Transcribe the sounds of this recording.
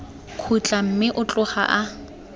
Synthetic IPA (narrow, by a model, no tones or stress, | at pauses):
kʰut͡ɬʼam̩mɪʔʊt͡ɬʼʊχa̰ʔa